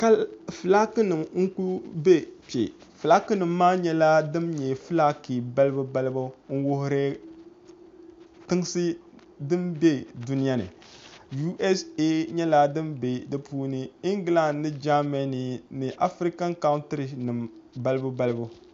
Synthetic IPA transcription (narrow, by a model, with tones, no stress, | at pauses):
ka˦lfɨ˨la˦kɨ˦nɨ˨mŋ̩˦ku˦be˦pḛ˨ | fɨ˨la˦kɨ˦nɨ˨mː˦aː˦ɲɛ˦la˦dɨ˦mɲɛ˨fɨ˦la˦ki˨ba˦lɨ˦bu˦ba˦lɨ˦bʊ˦ŋ̩˦wʊ˨hʊ˨ɾɛ˦ | tɨ˦ŋ˦sɨ˦ | dɨ˦mbɛ˦du˦nɪ˦ja˦nɨ̰˨ | ju˦ʔɛ˦se˦ɲɛ˦la˦dɨ˦mbe˨dɨ˦puː˦nɨ˦i˦ŋɡla˦˨˦nɨ˦d͡ʒa˦mɛ˦ni˨nɨ˨ʔa˨fɾi˦ka˦ŋ˦ka˦wntɨ˦ɾi˨nɨ˨mba˦lɨ˦bu˦ba˦lɨ˦bu˦